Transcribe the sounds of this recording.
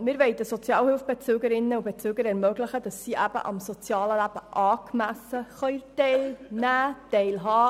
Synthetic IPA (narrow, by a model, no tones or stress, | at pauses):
mɪːɾʋɛɪd̥̪əsɔt͡sjɑːlhɪlfb̥et͡søːɡəɾɪnːəub̥et͡sʉːɡəɾɛɾmœɡləχəd̥ɑsːiʔæb̥ə̰ʔɑ̰msɔt͡sjɑːləlæb̥əʔɑːkmæsəχœʏtɛɪlnæːtɛɪlɦɑː